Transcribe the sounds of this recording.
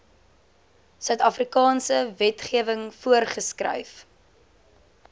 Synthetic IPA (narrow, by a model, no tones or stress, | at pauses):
sœɥtɐfrikɑːnsəvɛtχiəvəŋfuərχəskrɐ̰jf